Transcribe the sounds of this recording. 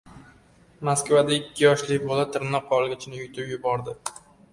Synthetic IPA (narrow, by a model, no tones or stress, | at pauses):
maskvad̪aɪkʲʰːɪjɒʃlɪkʲbolat̪ʰɪɾnɒqʰːɒlˠɡʲat͡ʃʰɪnɪjʊt̪ʰɪpjʊbɒɾd̪ɪ